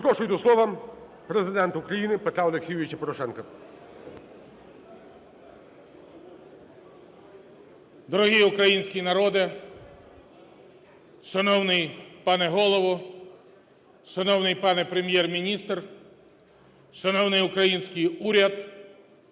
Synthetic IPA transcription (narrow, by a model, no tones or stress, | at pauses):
pɾɔʃʊjt̪ɔslˠɔʋɐm | pɾezɪd̪ɛnt̪ʊkɾɐjinɪpet̪ɾɑɔlˠeksʲijʊʋʲit͡ʃɐpɔɾɔʃɛnkɐ | d̪ɔɾɔɦiʊkɾɐjinʲsʲkʲijnɐɾɔd̪ɪ | ʃɐnɔwnɪjpɑnɛɦɔlˠɔʋɔ | ʃɐnɔwnɪjpɑnɛpɾemʲjɛrmʲinʲist̪r | ʃɐnɔwnɪjʊkɾɐjinʲsʲkɪjuɾʲɐd̪